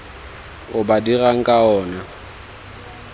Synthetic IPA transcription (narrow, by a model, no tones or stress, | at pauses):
ʊbadiraŋ̩kʼaɔːna